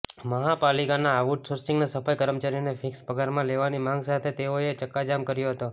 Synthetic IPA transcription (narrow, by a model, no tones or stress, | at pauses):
məɦapalikanaːʋuʈsoɾsĩŋɡnasəfajkəɾəmt͡ʃaɾionefʰɪkspəɡaɾmãleʋanimãŋɡsat̪ʰet̪eoet͡ʃəkːad͡ʒamkəɾjoɦət̪o